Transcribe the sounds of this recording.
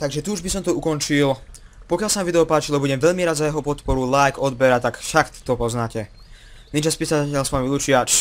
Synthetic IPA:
t̪aɡʒɛt̪uːʒbisɔmt̪ɔukɔnt͡ʃil | pɔkɪalsamaʋid̪ɛɔpaːt͡ʃilɔbuɟɛmʋɛʎmiɾad̪zajɛɦɔpɔt̪pɔɾulajkɔd̪bɛɾat̪akfʃakt̪t̪ɔpɔznaːcɛ | nit͡ʃaspiːsacɛlsʋamilut͡ʃiat͡ʃ

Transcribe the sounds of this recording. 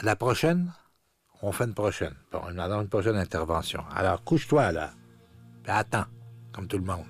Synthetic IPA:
lapʁɔʃɛn | ɔ̃fɛnpʁɔʃɛnb̥ɔ̰̃inad̪ɑ̃ynpʁɔʃɛnɛ̃t̪ɛʁvɑ̃sjɔ̰̃a̰lɔːʁkuʃt̪wala̰ | piat̪ɑ̃kɔmt̪ulmɔ̃d̪

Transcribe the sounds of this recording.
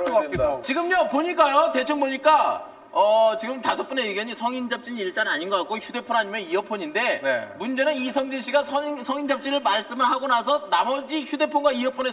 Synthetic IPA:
t͡ɕiɡɯmɲopoɲik͈ajote̞t͡ɕʰʌŋboɲik͈a | ʌt͡ɕiɡɯmtasʰʌp̚k͈ɯneeɡjʌɲisʰʌŋind͡ʑʌp̚t͡ɕ͈iɲiɭt͈anaɲinɡʌak͈oçjude̞pʰonɦaɲimeiʌpʰʌɲinde̞mund͡ʑe̞nɯnisʰʌŋd͡ʑiɕʰiɡasʰʌsʰʌŋind͡ʑʌp̚t͡ɕ͈iɾɯɭmaɭs͈ɯmɯɭɦaɡonasʰʌnamʌd͡ʑiçude̞pʰonɡwaiʌpʰone

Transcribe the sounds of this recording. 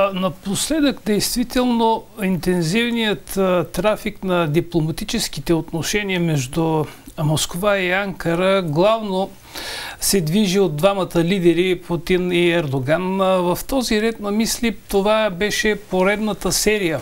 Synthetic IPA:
nɐposlɛd̪əkd̪ɛjst̪vit̪ɛlˠnoint̪ɛnzivnijət̪t̪ːɾafiknɐd̪iplˠomɐt̪it͡ʃɛskit̪ɛot̪noʃɛniəmɛʒd̪umoskovaiaŋkəɾəɡlˠavno | sɛd̪viʒiod̪̚d̪vamɐt̪əlid̪ɛɾiput̪iniɛɾd̪oɡanvɐft̪ɔziɾɛt̪nɐmislit̪ovabɛʃɛpoɾɛd̪nət̪əsɛɾijə

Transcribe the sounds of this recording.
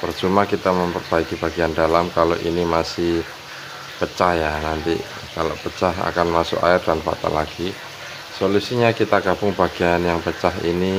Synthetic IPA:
pərt͡ʃumakit̪aməmpərbaikibaɡiandalamkaloʔinimasɪh | pət͡ʃajanant̪ḭ | kalo̰pət͡ʃaɦa̰kanmasʊ̰ka̰ɪrdanfa̰t̪a̰laɡ̥i | solusiɲakit̪aɡabʊŋbaɡ̥ianjaŋpət͡ʃaɦḭni

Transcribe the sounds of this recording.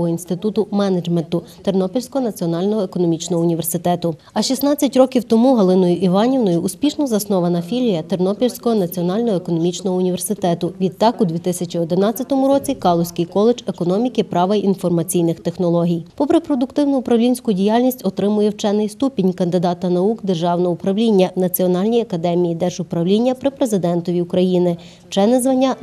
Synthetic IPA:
ɦɔinst̪ɪt̪ut̪ʊmɛnɐd͡ʒment̪ʊt̪ernɔpʲilʲsʲkɔɦɔnɐt͡sʲiɔnɑlʲnɔɦɔekɔnɔmʲit͡ʃnɔɦɔʊnʲiʋersɪt̪ɛt̪ʊ | ɐʃisnɑt͡sʲːɐtʲɾɔkʲiwt̪ɔmuɦɐlˠɪnɔjʊʔiʋɑnʲiwnɔjʊːspʲiʃnɔzɐsnɔʋɐnɐfʲilʲijɐt̪ernɔpʲilʲsʲkɔɦɔnɐt͡sʲiɔnɑlʲnɔɦɔekɔnɔmʲit͡ʃnɔɦɔʊnʲiʋersɪt̪ɛt̪ʊʋʲid̪t̪ːɑkʊd̪ʲʋʲit̪ɪsʲɐt͡ʃʲiɔd̪ɪnɑt͡sʲːɐt̪ɔmʊɾɔt͡sʲikɑlˠɔsʲkɪjkɔlˠed͡ʒekɔnɔmʲikɪpɾɑʋɐʔinfɔrmɐt͡sʲijnɪxt̪e̞xnɔlˠɔɦʲijpɔpɾepɾɔd̪ʊkt̪ɪwnʊʊpɾɐwlʲinʲsʲkʊdʲijalʲnʲisʲtʲɔt̪ɾɪmʊjɛwt͡ʃɛnɪjst̪upʲinʲkɐnd̪ɪd̪ɑt̪ɐnɐuɡd̪erʒɑwnɔɦʊpɾɐwlʲinʲːɐnɐt͡sʲiɔnɑlʲnʲijɐkɐd̪ɛmʲijid̪ɛʒʊpɾɐwlʲinʲːɐpɾɪpɾezɪd̪ɛnt̪ɔʋʲiukɾɐjinɪ̥ | t͡ʃɛnɪzʋɐnʲːɐ

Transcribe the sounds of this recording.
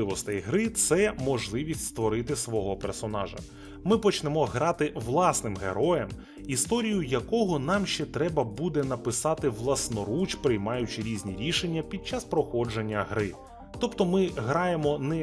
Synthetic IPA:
ɪʋɔst̪ɛjɦɾɪt̪sɛmɔʒlˠɪʋʲisʲtʲst̪ʋɔɾɪt̪ɪsʋɔɦɔpersɔnɑ̰ʒɐ̰ | mɪpɔt͡ʃnɛmɔɦɾɑt̪ɪʋlˠɑsnɪmɦḛɾɔjɛm | ist̪ɔɾʲijʊjɐkɔɦɔnɑmʃt͡ʃɛt̪ɾɛbɐbud̪ɛnɐpɪsɑt̪ɪʋlˠɐsnɔɾut͡ʃpɾɪjmɑjʊt͡ʃɪɾʲizʲnʲiɾʲiʃenʲːɐpʲid̪̚t͡ʃɑspɾɔxɔd͡ʒenʲːɐɦɾɪ | t̪ɔpt̪ɔmɪɦɾɑjemɔnɛ

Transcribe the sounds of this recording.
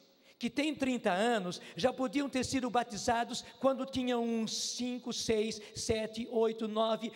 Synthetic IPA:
kɪt̪ẽj̃t̪ɾĩnt̪ɐɐ̃nʊsʒapod̪iɐ̃w̃t̪eɾsid̪ʊbat̪izad̪ʊskwɐ̃nd̪ʊt̪ĩɲɐ̃w̃ũsĩŋkʊsejsːɛt͡ʃ̪ɪʔojt̪ʊnɔvɪ

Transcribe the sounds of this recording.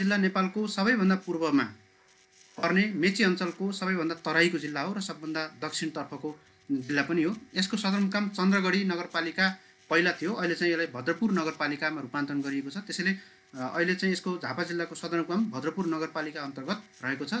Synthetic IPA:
ilːanepalkosʌbʌjbʱʌnd̪apurbʌma | pʌrnemet͡siʌnt͡sʌlkosʌbʌjbʱʌnd̪at̪ʌɾajkod͡zilːaɦoɾʌsʌbːʌnd̪ad̪ʌk̚t͡sʰiɽ̃t̪ʌrpʰʌko | d͡zilːapʌniɦoeskosʌd̪ʌrmukamt͡sʌnd̪rʌɡʌɽinʌɡʌrpalika | pʌɦilat̪ʰijoʌɦilet͡saĩelajbʱʌd̪rʌpurnʌɡʌrpalikamaɾupant̪rʌnɡʌɾiekot͡sʰʌt̪esʌjle | ʌ̰ilet͡saĩeskod͡zʱapad͡zilːakosʌd̪ʌrmkʌmbʱʌd̪rʌpurnʌɡʌrpalikaʌnt̪ʌrɡʌt̪̚rʌɦekot͡sʰʌ

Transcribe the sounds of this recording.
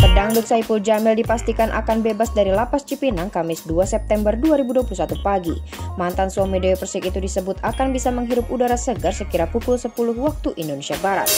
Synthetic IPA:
p̪ərdaŋdʊk̪̚saipuld͡ʒamɪldipast̪ikanʔa̰kanbebasdaɾilapast͡ʃipinaŋkamɪsduasɛp̚t̪ɛmbərduaɾibuduapulusat̪upaɡḭ | mant̪ansuɔmidoopərsikit̪udisəbʊt̪akanbisaməŋɦiɾʊpudaɾasəɡərsəkiɾapukʊlsəpulʊhwak̚t̪uʔindonesiabaɾa̰t̪̚

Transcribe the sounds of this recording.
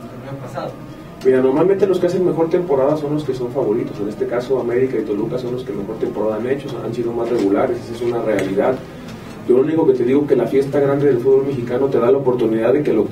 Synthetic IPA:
pasaðo | miɾano̞ɾmalmẽnt̪e̞lo̞ske̞as̬e̞nme̞xo̞ɾt̪e̞mpo̞ɾaðaso̞nlo̞ske̞so̞ɱfaβo̞ɾit̪o̞se̞ne̞st̪e̞kaso̞ame̞ɾikait̪o̞lukaso̞nlo̞skemexo̞ɾt̪e̞mpo̞ɾaðaane̞t͡ʃosansiðo̞masre̞ɣulaɾesesesunare̞aliðað | ɟ͡ʝo̞louniko̞ke̞t̪e̞ðiɣo̞kelafje̞st̪aɣɾand̪eðelfuðβolme̞xikano̞t̪e̞ðalaopo̞ɾt̪uniðaððe̞ke̞lo

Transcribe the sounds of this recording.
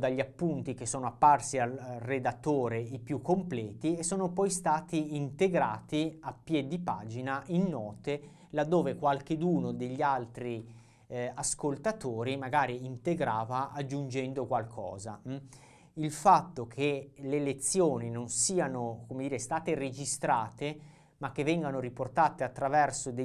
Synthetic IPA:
d̪aʎːiapːunt̪ik̟esːoːnoapːarsialred̪at̪ːoːɾeipjukːomplɛːt̪iesːoːnopɔjst̪aːt̪iint̪eɡɾa̰ːt̪iapːjɛd̪ːipa̰ːd͡ʒinaʔinːɔːt̪e | lad̪ːoːvekwalk̟ed̪uːnod̪eʎːialt̪ɾi | askolt̪at̪oːɾimaɡaːɾiint̪eɡɾaːvaʔad͡ʒːund͡ʒɛnd̪okwalkʰɔ̰ːza̰ | ilfat̪ːokʰelelet̪sːjoːninonsiːanokomed̪iːɾest̪aːt̪ered͡ʒist̪ɾaːt̪e | makːevːɛŋɡanoɾiport̪aːt̪eat̪ːɾavɛrsod̪e

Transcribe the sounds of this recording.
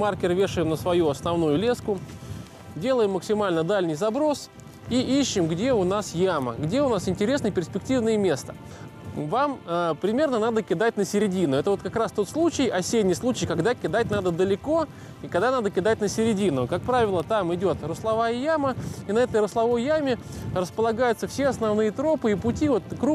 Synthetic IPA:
markʲɪrvʲe̞ʂɨjɪmnəsvɐjuɐsnɐvnujʊlʲe̞skʊ | dʲe̞lˠəjɪmːəksʲɪmalʲnəd̪alʲnʲɪjzɐbɾo̞s | iʔiɕːɪmɡdʲe̞ʊnasjamə̰ɡdʲe̞ʊnasɪnʲtʲɪɾʲesnəjəpʲɪrsʲpʲɪk̚tʲivnəjəmʲe̞st̪ə̥ | vaməpɾʲɪmʲe̞rnənad̪əkʲɪd̪at̚ʲnəsʲɪɾʲɪdʲinʊɛt̪əvo̞t̪kɐkɾast̪o̞t̪slˠut͡ɕɪjɐsʲednʲɪjslˠut͡ɕɪjkɐɡd̪akʲɪd̪at̚ʲn̪ad̪əd̪əlʲɪko̞ | ikaɡd̪anad̪əkʲɪd̪at̚ʲnəsʲɪɾʲɪdʲinʊkak̚pɾavʲɪlˠət̪amɪdʲo̞t̪rʊslˠɐvajəjaməinɐɛt̪əjɾʊslˠɐvo̞jːamʲɪ | rəspəlˠɐɡajʊt̪səfsʲeɐsnɐvnɨjət̪ɾo̞pɨipʊtʲivo̞t̪kɾu

